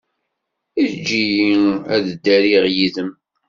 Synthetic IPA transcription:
id͡ʒːijiæðəd̪ːæɾiʁjiðəm

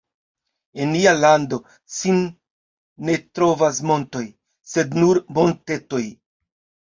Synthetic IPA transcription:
enːialando̞ | sinː | e̞tɾo̞vas̬mo̞nto̞j | se̞dnuɾmo̞nte̞to̞j

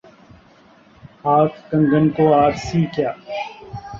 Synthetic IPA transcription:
haːt̪ʰkə̃ŋɡənkoːaːɾsiːkjaː

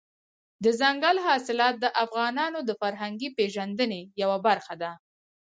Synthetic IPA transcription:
d̪əzaŋɡalɦɑsɪlɑt̪̚d̪əʔafɣɑnɑnod̪əfaɾɦaŋɡipeʒand̪ənejawabaɾxad̪a

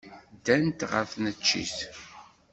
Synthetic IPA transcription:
d̪ænt̪ʁə̰fnət͡ʃːḭθ

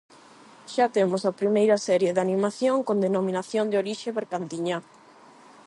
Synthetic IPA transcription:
ʃat̪emosapɾimejɾɐsɛɾjeðanimaθjoŋkond̪enomĩnaθjond̪eoɾiʃeβeɾkant̪iɲa

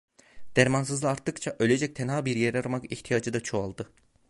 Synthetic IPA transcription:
d̪̥æɾmansɯzˠɯaɾt̪ːɯkt͡ʃʰaʔø̞lʲe̞d͡ʒɛc̚t̪ʰenaːbiɾjeɾaɾmakiçt̪ʰijaːd͡ʒɯd̪at͡ʃʰoalˠd̪ɯ

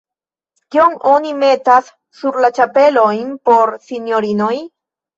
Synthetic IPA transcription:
kioŋonimet̪asː | uɾlat͡ʃapelojnpoɾsinjoɾinoj

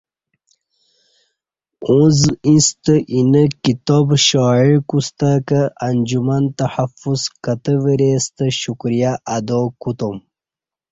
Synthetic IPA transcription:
õzĩst̪əʔinəkit̪obɕɑːiɻkust̪akəʔɐnd͡ʑumant̪ɐħafuzkɐt̪əʋəɾeːst̪əɕukɾijaʔɐd̪oːkut̪om

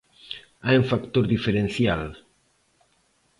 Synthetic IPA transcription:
aeɱfakt̪oɾd̪ifeɾensjal

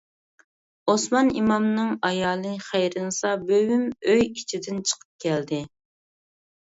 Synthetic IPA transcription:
osmɑnimɑmnɨŋɑjɑːlˠɨχæjɾɨnɨsɑbøwymøjit͡ʃʰid̪ɪnt͡ʃʰə̥qʰə̥p̚kʲʰɛld̪ɪ

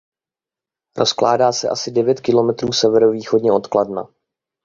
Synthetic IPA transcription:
ɾo̞skla̰ːdaːsɛʔasɪdɛvjɛt̪kɪlo̞mɛt̪ɾuːsɛvɛɾo̞viːxo̞dɲɛʔo̞t̪kladna̰

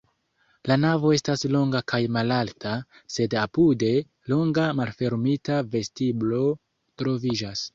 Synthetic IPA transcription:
lanavo̞e̞staslo̞ŋɡakʰajmalaltʰase̞dapude̞ | lo̞ŋɡamalfe̞ɾmitave̞stiblo̞ | tɾo̞vid͡ʒas

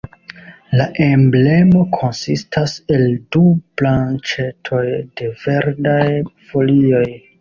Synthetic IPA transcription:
laʔe̞mble̞mo̞kʰo̞nsistʰase̞ldub̥lant͡ʃe̞tʰo̞jde̞ve̞ɾdajfo̞lio̞j

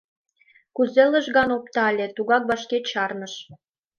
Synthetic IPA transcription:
kuzelə̆ʒɣɑnopt̪ɑlʲet̪uɣɑk̚βɑʃket͡ɕɑrnə̆ʃ

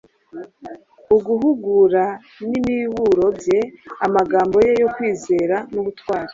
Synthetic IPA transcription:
uɡuɦuɡuɾa | nimiwuɾo̞bje̞amaɡaːmbo̞je̞jo̞kwiːze̞ːɾanuɡutwaːɾḁ

